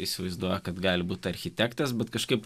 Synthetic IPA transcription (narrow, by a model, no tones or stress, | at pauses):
isʲɪʋɐɪzd̪uɔjɛkɐt̪ɡɑːlʲɪbuːt̪ʲɐɾʲxʲɪt̪ʲækt̪ɐsbʲɛt̪kɐʃkɐɪp